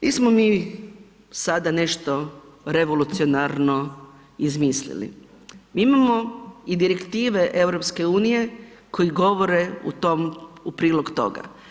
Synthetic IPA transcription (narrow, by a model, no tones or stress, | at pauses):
ʋismomiː | sad̪ane̞ʃt̪o̞ɾe̞ʋolut̪sionaɾno̞ | izmiːslḭlḭ | miːimamo̞id̪iɾekt̪iːʋe̞ʔeʋɾopske̞uːnije̞kʰo̞jiɡo̞ʋoɾe̞ṵt̪omupɾiːlˠoɡt̪o̞̰ɡa̰